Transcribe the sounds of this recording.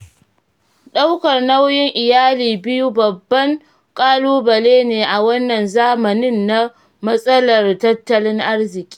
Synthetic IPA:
ɗa˦wkɐ˨rna˦wjɪ˦ŋʔɪ˨jaː˦liː˨bɪ˦ju˦bɐ˨bːɐ˦ŋ | kʼaː˦luː˦bɐ˨leː˦neː˨ʔa˨wɐ˦nːɐ˨nzaː˦mɐ˨nɪ˦nːa˦ | mɐ˦sʼɐ˦lɐ˨rtɐ˦tːɐ˦lɪ˦ŋʔa˦rzɪ˨kʲʼi̥ː˦

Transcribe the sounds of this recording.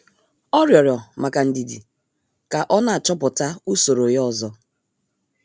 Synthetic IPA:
ɔ˦ɾjɔ˨ɾjɔ˨ma˨ka˨n̩˨di˨dḭ˨ | ka˨ʔɔ˦na˦a˨t͡ʃɔ˦pʊ˨ta˦u˦so˨ɾo˨jɔ˦˨zɔ˦

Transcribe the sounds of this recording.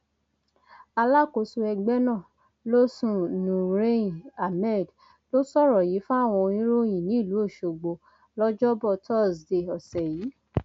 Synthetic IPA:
a˧la˦ko˧˦su˧ɛ˧ɡ͡bɛ˦nã˦˨ | lo˦sũ˦˨nũ˨ɾe˦a˨mɛ˦˨d | lo˦sɔ˦˨ɾɔ˨ji˨˦fũ˦a˦˨w̃ɔ̃˧o˧ĩ˦ɾo˦j̃ĩ˨nĩ˨˦˨lu˨˦o˦˨ʃo˨ɡ͡bo˧ | lɔ˦d͡ʒɔ˦bɔ˦˧˨tʰɔ˦˨sde˧˨ɔ˨sɛ˨jiː˨˦

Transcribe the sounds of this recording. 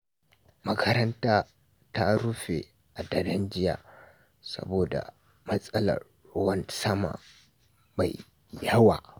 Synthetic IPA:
mɐ˦kʰɐ˦ɾɐ˦ntaː˦ | ta˦ɾʊ˦ɸe˨ | ʔa˨dɐ˨dɐ˦nd͡ʒɪ˦ja̰ː˨ | sɐ̰˦boː˨da̰˨ | mɐ˦sʼɐ˦lɐ̰˨r | wɐ˦nsɐ˦ma̰ː˨ | ma˨j | jɐ˦wa̰ː˨

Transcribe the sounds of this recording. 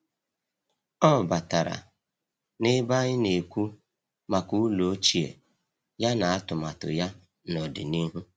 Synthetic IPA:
ɔ˦˨ba˨ta˨ɾa̰˨ | nɪ˦ba˦ɲɪ˦ne˨kʷu˦ | ma˨ku˦lo˨o˦t͡ʃi˨ḛ˨ | ja˦na˨a˦tʊ˨ma˨tʊ̰˨ja˦ | nɔ˨dɪ̰˨ni˦ɦu˦

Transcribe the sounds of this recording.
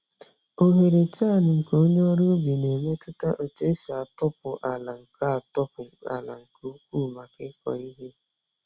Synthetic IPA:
o˨ɦe˨ɾe˨t͡ʃa˦˨nʊ˨ŋ̩˨ko˦o˦ɲ˦ɔ˦ɾo˦bi˨ne˨me˦tʊ˦ta˦ʔo˨t͡ʃe˦sa˨a˨tɔ˦p̚ʊ˨ʔa˨la˨ŋ̩˨ka˦a˨tɔ˦pʊ˨a̰˨la̰˨ŋ̩˨ko˦u˦kʷu˦ma˨kɪ˦kɔ̰˨i˦ɦe˦

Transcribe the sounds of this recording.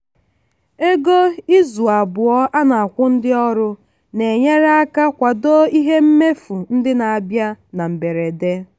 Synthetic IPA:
e˦ɡo˦i˦zu˨a˨bʊ˨ɔ˦a˦na˨a˨kʷʊ˦n̩˦dɪ˦ɔ˦ɾʊ˦ | ne˨ɲe˦ɾa˦a˦ka˦kʷa˨do˦i˦ɦe˦m̩˦me˦fu˨n̩˦dɪ˦na˨a˨bja˦na˨m̩˨be˨ɾe˨de˦

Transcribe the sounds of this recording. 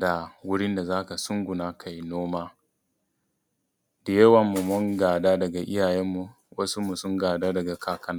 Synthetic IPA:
da˨wʊ˦ɽɪ˦nda˨zaː˦ka˨sʊ˦ŋɡʷʊ˨naː˦kʰa˨ji˨noː˦maː˦ | da˨jɐ˦wɐ˨mːu˨mʊ˦ŋɡaː˨daː˦dɐ˨ɡa˨ʔɪ˦jaː˨jɛ˦mːu˨ | wʔɐ˦su˦mu˨sʊ˦ŋɡaː˨daː˦dɐ˨ɡa˨kʰaː˨kɐ˨na˦

